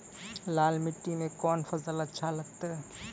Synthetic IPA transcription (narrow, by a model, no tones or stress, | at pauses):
laːlmɪʈːimẽkɔːnfɐzəlɐt̪ːʃʰalɐɡ̚t̪aɦɛ